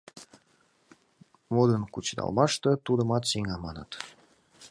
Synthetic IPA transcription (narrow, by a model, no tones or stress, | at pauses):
mod̪ənkut͡ɕd̪ɑ̰lmɑʃt̪ɤt̪ud̪ə̆mɑt̪siŋɑmɑnə̰t̪